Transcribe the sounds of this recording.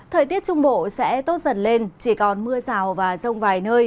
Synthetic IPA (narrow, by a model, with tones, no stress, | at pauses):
t̪ʰəː˨˩jt̪i˦˥ət̚t͡ɕʊ˧ŋ͡mɓo̰˧˨sɛ̰˧˥t̪o˦˥t̚zə˨˧˩nle˧nt͡ɕi˧˩kɔ˨˩nmɨ˧əzaː˨˩wvaː˨˩zə˧wŋ͡mvaː˨˩jnəː˧j